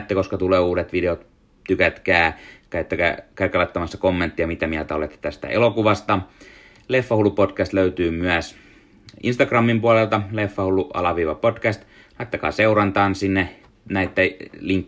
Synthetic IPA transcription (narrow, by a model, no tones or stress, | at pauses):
t̪ːeko̞skɑt̪uleːuːdet̪ʋideot̪ | t̪ykæt̪kæːkæit̪ːækæ̰kæikːˑɑlɑt̪ːɑmɑsːɑkomːent̪ːijɑmit̪æmiælt̪æolet̪ːe̥t̪æst̪æ̰elokuʋɑst̪ɑ | lefːɑhulːupotkæst̪løyt̪yːmyæs | ḭnst̪ɑɡrɑmːimpuolelt̪ɑlefːɑhulːuɑ̰lɑʋiːʋɑpotkæst̪ | lɑit̪ːɑkɑ̰ːseurɑnt̪ɑːnsinːe | næit̪ːæliŋkː